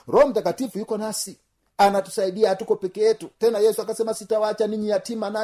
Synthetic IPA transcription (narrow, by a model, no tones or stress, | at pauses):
ɾɔm̩takatifujukɔnasi | anatu̥saiɗiaːtukɔpɛkɛɛtutɛnajɛsuakasɛmasitawat͡ʃaniɲijatimana